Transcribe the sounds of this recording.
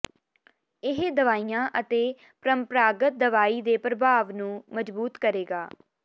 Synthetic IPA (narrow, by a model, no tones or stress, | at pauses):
ɪɦd̪əʋaːijãːʔət̪eː | pɾəmpɾaːɡət̪̚d̪əʋaːiːd̪eːpɾəbʱaːʋnũːməd͡ʒbuːt̪kəɾeːɡaː